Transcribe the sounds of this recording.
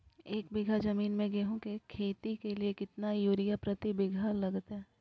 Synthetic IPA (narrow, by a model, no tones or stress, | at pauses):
eːk̚bɪɡʱad͡ʒɐmiːnmẽɡeɦũkekʰeːt̪ikeliekɪt̪najuːɾijapɾɐt̪ibɪɡʱalɐɡt̪ɦɛː